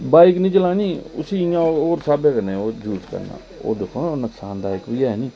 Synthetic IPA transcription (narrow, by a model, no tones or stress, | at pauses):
baːiknĩːt͡ʃəlaːniːʊ̰siːãːoːɾsaːbɛːkənẽːoːd͡ʒuːt͡ʃkə̰ɾna̰ː | o̰ːd̪ekʰːoːnəksaːnd̪aːɪkbiːaːnĩː